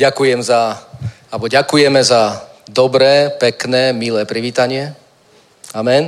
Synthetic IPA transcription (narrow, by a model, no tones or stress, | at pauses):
ɟakujɛmza | albɔɟakujɛmɛzad̪ɔbɾɛːpɛknɛːmilɛːpɾiʋiːt̪aɲɪɛ | amɛn